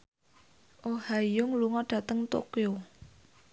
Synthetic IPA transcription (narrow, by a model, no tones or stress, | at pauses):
ʔohajʊŋluŋɔɖ̥ä̤t̪əŋt̪o̰kjo